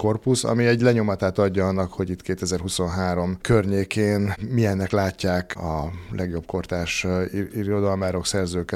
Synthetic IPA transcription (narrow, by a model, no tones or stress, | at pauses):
ko̞rpusɒ̰miɛɟlɛɲo̞mɒt̪aːt̪ɒɟːɒɒnːɒkho̞ɟit̪keːt̪ɛzɛrɦuso̞nɦaːɾo̞mkørɲeːkeːnmijɛnːɛklaːcːaːkɒlʔɛɡjo̞b̚ko̞rt̪aːʃiɾo̞d̪ɒlmaːɾo̞ksɛrzøːkɛ